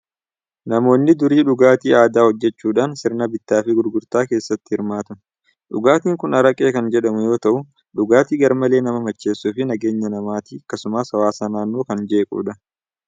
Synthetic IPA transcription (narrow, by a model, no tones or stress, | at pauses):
nɐmo̞ːnːɪd̪ʊɾiːᶑʊɡaːt̪iːaːd̪aːhɔd͡ʒːɛt͡ʃːuːᶑaːnsɪɾnɐbɪt̪ːaːfɪɡʊɾɡʊɾt̪aːke̞ːsːɐt̪ːɪ̥hɪɾmaːt̪ʊ | ᶑʊɡaːt̪iːŋkʊnɐɾɐkʼe̞ːkɐnd͡ʒɛᶑɐmʊjo̞ːt̪ɐʔʊ | ᶑʊɡaːt̪iːɡɐɾmɐle̞ːnɐmɐmɐt͡ʃːe̞ːsːʊfɪnɐɡe̞ːɲːɐnɐmaːt̪iɐkːɐsʊmaːsɐwaːsaːnaːnːoːkɐnd͡ʒe̞ːkʼṵːᶑɐ